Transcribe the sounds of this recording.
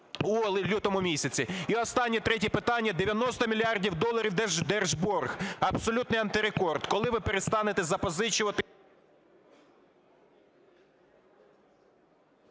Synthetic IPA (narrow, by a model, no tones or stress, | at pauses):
ulˠlʲut̪ɔmʊmʲisʲɐt͡sʲiiɔst̪ɑnʲːit̪ɾɛtʲipɪt̪ɑnʲːɐd̪eʋʲjɐnɔst̪ɔmʲilʲiɑrdʲiwd̪ɔlˠɐɾʲiw̪d̪ɛrʒbɔrɣɐbsɔlʲut̪nɪjɐnt̪ɪɾekɔrd̪kɔlˠɪʋɪpeɾest̪ɑnet̪ɛzɐpɔzɪt͡ʃʊʋɐt̪ɪ